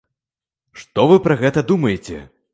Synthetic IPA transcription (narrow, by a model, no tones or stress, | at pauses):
ʂt̪ɔvɨpɾɐɣɛt̪ɐd̪umɐjet͡sʲɛ̰